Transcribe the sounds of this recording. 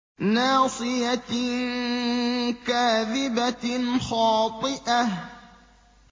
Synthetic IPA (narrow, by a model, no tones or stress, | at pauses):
naːsˤɨja | kaːðɪbaxɑːt̪ˤɨʔah